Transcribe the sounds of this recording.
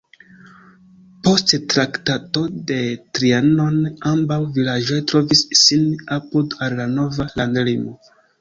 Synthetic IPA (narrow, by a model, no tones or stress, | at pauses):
po̞sttɾaktato̞de̞tɾiano̞nambawvilad͡ʒo̞jtɾo̞visːinapudalːano̞valandlimo